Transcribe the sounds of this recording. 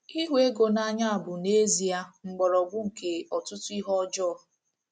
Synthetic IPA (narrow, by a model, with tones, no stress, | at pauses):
i˦ɦʷe˦ɡo˨na˦ɲa˦a˨bʊ˨ne˦zi˨a˦ŋ͡m̩˨ɡ͡bɔ˨ɾɔ˨ɡʊ˦ŋ̩˨ke˨ɔ˨tʊ˦tʊ˦i˦ɦɔ˦d͡ʒɔ˦